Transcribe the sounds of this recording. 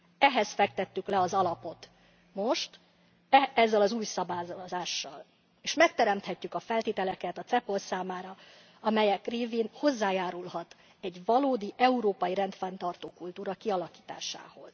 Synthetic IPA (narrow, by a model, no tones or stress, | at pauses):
ɛɦɛsfɛk̚t̪ɛt̪ːyklɛɒzɒlɒpo̞t̪ | mo̞ʃt̪ | ɛɛzːɛlɒzuːjsɒbaːzzaːʃːɒ̰l | eːʃmɛk̚t̪ɛɾɛmt̪hɛcːykɒfɛlt̪eːt̪ɛlɛkɛt̪ɒt̪sɛpo̞lsaːmaːɾɒ | ɒmɛjɛkreːviːnho̞zːaːjaːɾulhɒt̪ | ɛɟvɒloːd̪iʔɛuɾoːpɒjiɾɛnt̪fɛnt̪ɒrt̪oːkult̪uːɾɒkiɒlɒki̥ːt̪a̰ːʃa̰ːho̞z̥